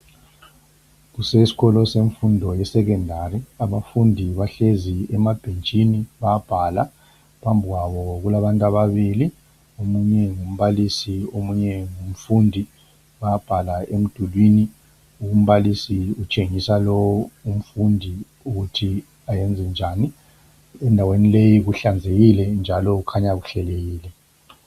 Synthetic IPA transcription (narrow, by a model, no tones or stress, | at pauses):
ɣusesi̥ɣɔlɔseɱfundʱɔjɛsɛk̬ɛndʱariaβafundʱiβaɬeziɛmab̥ʱent͡ʃʼiniβab̥ʱala | pʰambʱiɣwaβɔɣulaβantʼaβaβili | omuɲɛŋum̩βalisiomuɲɛŋum̩fundʱi | ɓaab̥ʱalaem̩d̥ʱulwini | uum̩ɓalisiut͡ʃʼeŋisalɔum̩fundʱi | uɣutʰi | ajɛnd͡zʱɛnd͡ʒʱaːni | ɛndʱawenilejiɣuɬand͡zʱeɣilɛnd͡ʒʱalɔukʰaɲaɣuɬɛleɣiːlɛ